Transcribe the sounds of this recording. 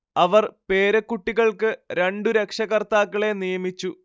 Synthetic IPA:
ɐʋɐrpe̞ːɾɐkːuʈːiɣɐɭkɨɾeɳɖuɾekʂɐɣɐrt̪aːkːɐɭe̞nijɐmit͡ɕːu

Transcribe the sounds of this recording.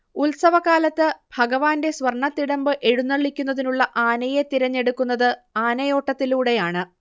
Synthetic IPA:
ulsɐʋɐkaːlɐt̪ːɨbʱɐɡɐʋaːnde̞sʋɐrɳːɐt̪ːiɽɐmbɨʔe̞ɻunːɐɭːikʲːunːɐðinuɭːɐʔaːnɐje̞t̪iɾɐɲːe̞ɽukːunːɐðɨaːnɐjo̞ːʈːɐt̪ːiluːɽe̞jaːɳɨ

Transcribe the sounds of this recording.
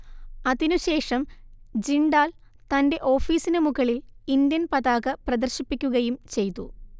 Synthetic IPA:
ɐðinuɕe̞ːʂɐmd͡ʑiɳɖaːl | t̪ɐnde̞ʔo̞ːfiːsinɨmuɣɐɭilind̪jɐnpɐðaːɣɐprɐd̪ɐrɕipːikʲːuɣɐjumt͡ɕe̞jt̪ːu

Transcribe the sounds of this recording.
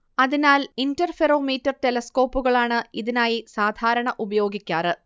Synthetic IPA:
ɐðinaːlindɐrfero̞ːmiːtːɐrtelɐsko̞ːpːuɣɐɭaːɳɨiðinaːjisaːd̪ʱaːɾɐɳɐʔubɐjo̞ːɡikʲːaːrɨ

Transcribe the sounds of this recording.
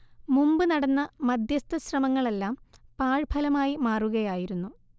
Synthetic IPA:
mumbɨnɐɽɐnːɐmɐd̪ʱjɐst̪ɐɕrɐmɐŋːɐɭe̞lːaːmpaːɻbʰʱɐlɐmaːjimaːruɣɐjaːjiɾunːu

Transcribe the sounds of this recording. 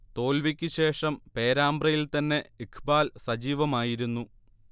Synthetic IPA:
t̪o̞ːlʋikʲːɨɕe̞ːʂɐmpe̞ːɾaːmbrɐjilt̪ɐnːe̞ikʰbaːlsɐd͡ʑiːʋɐmaːjiɾunːu

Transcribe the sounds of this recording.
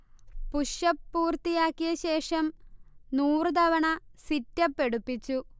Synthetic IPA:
puʂɐpːuːrt̪ijaːkːijɐɕe̞ːʂɐmnuːrɨd̪ɐʋɐɳɐsitːɐpːe̞ɽupːit͡ɕːu

